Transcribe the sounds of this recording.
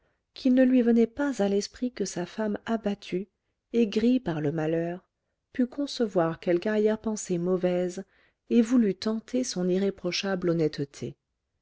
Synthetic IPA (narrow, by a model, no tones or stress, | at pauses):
kʲʰilnəlɥivənɛpazalɛspχikəsafamabat̪ʰy | eɡʁipaʁləmalœːʁ | pykɔ̃səvwaʁkɛlkaʁjɛʁpɑ̃semɔvɛz | evulyt̪ɑ̃t̪ʰesɔ̃niʁepχɔʃablɔnɛt̪t̪ʰḛ